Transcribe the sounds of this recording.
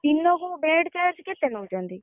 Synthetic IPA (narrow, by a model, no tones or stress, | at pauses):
inːõːɡõːbẽːʈkɛːd͡ʒkɪt̪enũd͡ʒãːnd̪iː